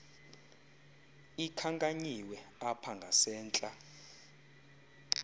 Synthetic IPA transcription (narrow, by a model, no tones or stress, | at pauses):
ikʰaŋkʼaɲiwɛapʰaŋɡʱasɛːnt͡ɬʼa